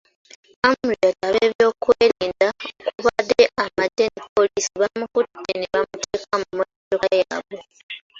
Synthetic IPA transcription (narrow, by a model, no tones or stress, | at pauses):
amuɾiataβeːβjo̞ːkweːɾeːndaokuβadeʔamadːenipo̞lisiβamukudeneβamutʰe̞ːkamumo | doaja̰βo